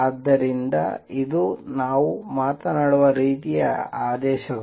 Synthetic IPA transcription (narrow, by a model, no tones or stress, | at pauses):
ɐd̪ːɐɾind̪ɐ̰id̪unaːʋumaːt̪ɐnaːɽuʋɐɾiːt̪ijɐ̰aːd̪ɛːʃɐɡɐ